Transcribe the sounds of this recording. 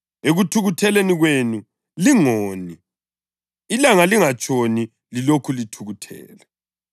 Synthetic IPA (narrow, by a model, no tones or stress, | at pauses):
eɣutʰuɣutʰɛleniɣwenu | liŋoːni | ilaŋaliŋat͡ʃʼoni | lilokʰulitʰuɣutʰɛ̰ːlɛ